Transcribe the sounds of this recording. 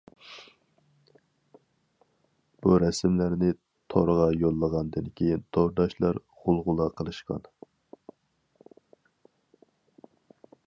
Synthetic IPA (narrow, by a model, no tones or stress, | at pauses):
b̥uɾɛsmlæɾnɪ | t̪ʰoɾʁɑjolˠːəʁɑnd̪ɨnkʲʰejint̪ʰoɾd̪ɑʃlˠɑɾ | ʁʊlˠʁʊlˠɑqʰəlˠɨʃqɑ̰n